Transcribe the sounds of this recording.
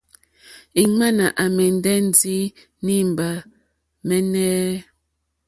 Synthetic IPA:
i˨ma˦na˨ʔa˨mɛ˨n˨˦dɛ˦n̩˨di˦ | ni˦˨m˨ba˨ | mɛ˦nɛː˦

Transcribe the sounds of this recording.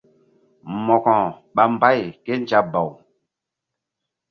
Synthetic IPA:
mɔ˨kɔ̃˨ | ɓa˨mba˦˨jke˦nd͡ʒa˦ba˨w

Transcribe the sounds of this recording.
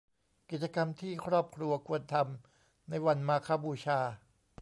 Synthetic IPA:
ki˨˩t̪̚t͡ɕa˧ka˧mt̪ʰiː˥˩kʰɾɔː˥˩p̚kʰɾu˧ɐkʰu˧ənt̪ʰa˧m | na˧jwa˧nmaː˧kʰaː˧˥buː˧t͡ɕʰaː˧

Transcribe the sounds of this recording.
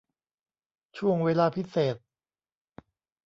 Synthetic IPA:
t͡ɕʰu˥˩əŋweː˧˥laː˧pʰi˦˥seː˨˩t̪̚

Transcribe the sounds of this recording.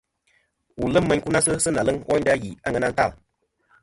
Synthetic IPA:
wu˨lɨ˦mː˦ə˦ɲ˦ku˦na˦sɨ˦sɨ˦na˨lɨ˦ŋɔ˦ɲ˦da˦ji˨a˦ŋə˦na˦n̩˦ta˦˨l

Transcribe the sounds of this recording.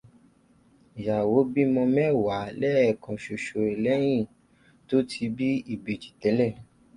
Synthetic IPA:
ja˨wo˨˦bi˦mɔ̃˧mɛ˦wa˨˦lɛ˦ɛ˦˨kã˨ʃo˨ʃo˧˨ɛ˨lɛ˦j̃ĩ˦˨ | to˨˦tʰi˧˦bi˦i˦˨be˨t͡ʃi̥˨tɛ˨˦lɛ˦˨

